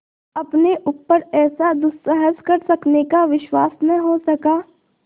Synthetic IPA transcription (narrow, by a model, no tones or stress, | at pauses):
ɐpneʔʊpːəɾɛːsad̪ʊssɛɦəzkɐɾsɐknekaʋɪʃwaːsnɐɦosɐkaː